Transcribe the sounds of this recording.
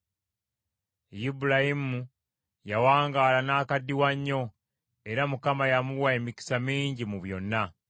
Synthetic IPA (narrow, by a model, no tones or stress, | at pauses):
jibulahimu | jawaːŋɡaːlanaːkadːiwaɲːo̞ | e̞ɾamukamajamuwae̞miki̥samiːɲɟimuβjo̞nːa